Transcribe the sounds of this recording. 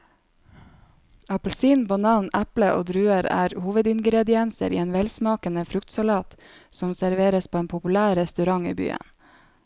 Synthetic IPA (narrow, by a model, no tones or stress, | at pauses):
ɑpl̩siːnbɑnɑːnʔæpləʔo̰ːd̪ɾʉːəɾæ̰ːɾhuːʋəd̪ɪŋɡɾɛd̪ɪɛnsə̰ɾḭːeːnʋɛlsmɑːkənəfɾʉkt̪sɑlɑːt̪ | sɔmsæɾʋeːɾəspʰoːeːnpʰʊpʉlæːɾɾɛst̪ʉɾɑŋḭːby̰ːə̰n